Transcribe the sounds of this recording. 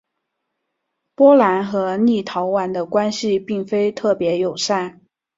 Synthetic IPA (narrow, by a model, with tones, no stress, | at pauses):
pwɔ˥la˧˥nxɤ˧˥ni˥˩t̪ʰɑ˧˥ʊwa˧˥nd̪ə˧kwa˥nɕi˧pi˥˩ŋfe˥ɪt̪ʰɤ˥˩pjɛ˧˥jo˨˩ʊʂa˥˩